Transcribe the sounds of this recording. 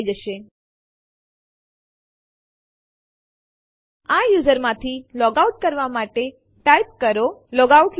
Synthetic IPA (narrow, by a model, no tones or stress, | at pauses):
id͡ʒəʃe | ajuzəɾmãt̪ʰilɔɡauʈ̚kəɾʋamaʈe | ʈaip̚kəɾolɔɡauʈ